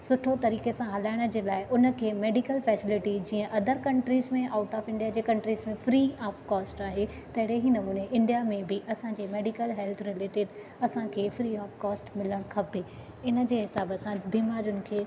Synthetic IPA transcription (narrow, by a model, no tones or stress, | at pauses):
sʊʈʰot̪ɐɾiːkesãɦɐlaːɪɽ̃ə̆d͡ʑeːlaːɪʔʊnə̆kʰeːmeːɖɪkəlfɛːsɪlɪʈid͡ʑiːə̃ʔɐd̪ʱəɾkɐ̃ɳʈɾiːzmẽʔaːʊʈaːfɪ̃ɳɖijad͡ʑeːkɐ̃ɳʈɾiːzmẽfɾiːaːfkɔːsʈaːɦe | t̪ɐɦɪɽeɦinɐmuːneʔɪ̃ɳɖijamẽbɪʔɐsãd͡ʑeːmeːɖɪkəlɦɛlt̪ʰɾɪleːʈɪɖ | ɐsãkʰeːfɾiːaːfkɔːsʈmɪləɽ̃kʰɐpe | ɪnə̆d͡ʑeːɦɪsaːbəsãbiːmaːɾjʊnɪ̆kʰeː